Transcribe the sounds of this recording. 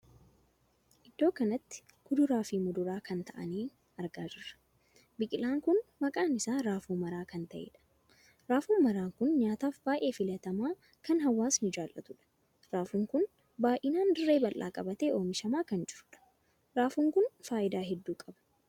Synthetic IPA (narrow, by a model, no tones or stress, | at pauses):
ʔɪd̪ːo̞ːkɐnɐt̪ːɪ̥kʊd̪ʊɾaːfiːmʊd̪ʊɾaːkɐnt̪ɐʔɐ̰niː | ɐɾɡaːd͡ʒɪɾɐ̥ | bɪkʼɪlaːŋkʊnmɐkʼaːnɪsaːɾaːfuːmɐɾaːkɐnt̪ɐʔḛːᶑɐ̥ | ɾaːfuːmɐɾaːŋkʊnɲaːt̪aːfbaːʔe̞ːfɪlɐt̪ɐmaː | kɐnɦɐwːaːsnɪd͡ʒaːlʔɐt̪ʊᶑɐ̥ | ɾaːfuːŋkʊn | baːʔɪnaːnd̪ɪrːe̞ːbɐlʔa̰ːkʼɐbɐt̪eːʔo̞ːmɪʃɐmaːkɐnd͡ʒɪɾᶑɐ̥ | ɾaːfuːŋkʊnfaːʔɪd̪aːɦɛd̪ːuːkʼɐbɐ̥